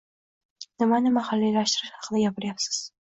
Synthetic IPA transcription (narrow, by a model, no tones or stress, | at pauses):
nɪmanɪmaχalːijlaʃt̪ɪɾɪʃhɑ̥qʰɨd̪ajʲapɪɾjapsɪ̥z̥